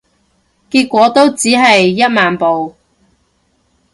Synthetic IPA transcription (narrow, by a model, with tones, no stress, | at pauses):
kiː˧t̚kʷɔː˨˥t̪o˥wt͡siː˨˥ɦɐ˨jːɐ˥t̚maː˨npo˨w